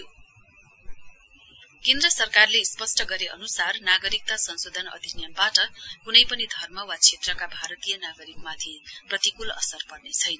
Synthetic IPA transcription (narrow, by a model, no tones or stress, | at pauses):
kend̪rʌsʌrkarlespʌsʈʌɡʌɾeʌ̰nusarnaɡʌɾik̚t̪asʌnsod̪ʱʌnʌ̰d̪ʱinjʌmbaʈʌkunʌjpʌnid̪ʱʌrmʌwat͡sʰet̪rʌkabʱaɾʌt̪ijʌnaɡʌɾikmat̪ʰiprʌt̪ikulʌ̰sʌrpʌrnet͡sʰʌjnʌ